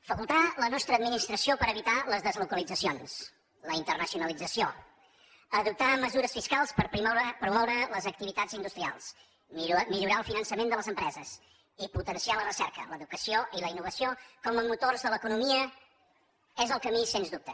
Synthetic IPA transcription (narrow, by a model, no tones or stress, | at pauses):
fəkulˠt̪alənɔst̪ɾəd̪minist̪ɾəsiopəɾəβit̪aləzðəzlukəlid͡zəsions | ləint̪ərnəsiunəlid͡zəsio | əðup̚t̪aməzuɾəsfiskalˠspəɾpɾipɾumɔwɾələzək̚t̪iβit̪azind̪ust̪ɾia̰lˠs | miʎuɾaəlˠfinənsəmend̪ələzəmpɾɛzəs | iput̪ənsialərəsɛɾkə̰ləðukəsioʔiləinːuβəsiokɔməmut̪orzðələkunumiə | ɛzəlˠkəmisenzd̪up̚t̪ə